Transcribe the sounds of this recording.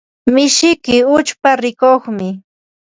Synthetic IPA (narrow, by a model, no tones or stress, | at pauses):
mɪʃɪkɪʊt͡ʃpaɾɪkoχmɪ